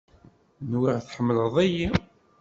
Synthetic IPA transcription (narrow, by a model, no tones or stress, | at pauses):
nwiʁθħəmːələðˤæji